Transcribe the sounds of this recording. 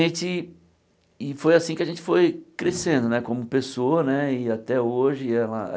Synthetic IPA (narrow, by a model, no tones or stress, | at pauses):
ẽt͡ʃɪ | ɪfojasĩkɪaʒẽt͡ʃɪ̥fojkɾesẽnd̪ʊnɛkõmʊpesoɐnɛɪat̪ɛoʒɪɛlɐ̰